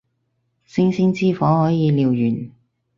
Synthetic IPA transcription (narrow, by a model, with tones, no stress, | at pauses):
sɪ˥ŋsɪ˥ŋt͡siː˥fɔː˨˥hɔː˨˥jiː˨˧liː˨˧wjyː˨˩n